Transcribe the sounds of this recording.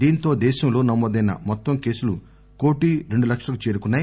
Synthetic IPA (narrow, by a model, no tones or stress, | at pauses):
d̪iːnt̪o̞ːd̪ɛːʃɐmlo̞ːnɐmːoːd̪ɐjnɐ̰mɔt̪ːɐmke̞ːsulu | ko̞ːʈiɾe̞ɳɖulɐkʂɐlɐkut͡ʃe̞ːɾukunːaːj